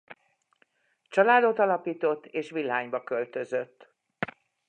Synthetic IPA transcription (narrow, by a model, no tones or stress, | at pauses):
t͡ʃɒlaːd̪o̞t̪ɒlɒpiːt̪o̞t̪ːeːʃʋilːaːɲbɒkø̞lt̪ø̞zøt̪ː